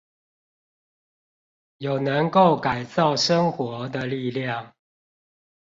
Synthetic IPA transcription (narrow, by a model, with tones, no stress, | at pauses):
jo˨˩ʊnə˨˦ŋko˥˨ʊka˨˩ɪt͡sɑ˥˨ʊʂə˦ŋxwɔ˧˦d̪ə˨li˥˨ljɑ˥˨ŋ